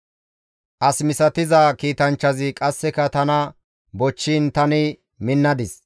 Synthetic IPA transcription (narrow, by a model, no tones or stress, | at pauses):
ʔɐsmɪsɐt̪ɪzɐkiːt̪ɐnt͡ʃːɐzɪkʼɐsːɛkɐt̪ɐnɐ | bɔt͡ʃːint̪ɐnɪ | mɪnːɐd̪ɪs